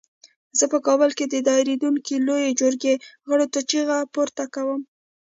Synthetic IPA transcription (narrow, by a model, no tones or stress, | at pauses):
zəpəkɑbəlked̪əd̪ɑjɾed̪uŋkilojed͡ʒʊɾɡeɣəɽot̪ʊt͡ʃiɣapoɾt̪akawəm